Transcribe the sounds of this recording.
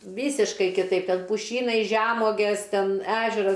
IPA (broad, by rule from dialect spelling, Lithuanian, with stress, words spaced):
ˈʋʲiːsʲɪʃkɐɪ kʲɪˈtɐɪp ˈtʲɛn pʊˈʃʲiːnɐɪ ʒʲɛˈmuɔɡʲeːs ˈtʲɛn ˈæːʒʲɛrɐs